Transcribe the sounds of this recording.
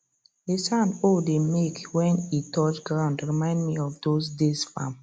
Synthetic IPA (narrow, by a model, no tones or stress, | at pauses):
desãnodemekwɛ̃nitɔt͡ʃɡɹãʊ̃ndɹimãɪ̃ndmiɔfdosdesfãm